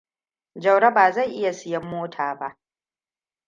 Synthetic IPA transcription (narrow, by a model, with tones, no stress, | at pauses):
d͡ʒɐ˨wɽɐ˦baː˨za˦˨jʔɪ˦ja˨sɪ˦jɐ˦mːoː˦tʰaː˨ba˦ʔ